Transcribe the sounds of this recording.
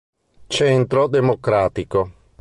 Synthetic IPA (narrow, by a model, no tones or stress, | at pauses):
t͡ʃɛnt̪ɾod̪emokɾaːt̪iko